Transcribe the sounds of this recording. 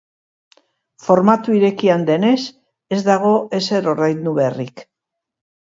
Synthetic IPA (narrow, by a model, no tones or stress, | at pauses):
fo̞ɾmat̪uiɾe̞kiand̪e̞ne̞s | e̞zd̪aɣ̞o̞ʔe̞se̞ɾo̞rajnd̪uβerik